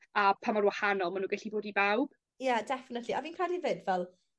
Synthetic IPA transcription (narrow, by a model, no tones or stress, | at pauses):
apʰamarwahanɔlˠmanuːɡaɬiboːdibawb̥ | jadɛfɪnətʰliʔɔviːnkraːdivɪdvɛlˠ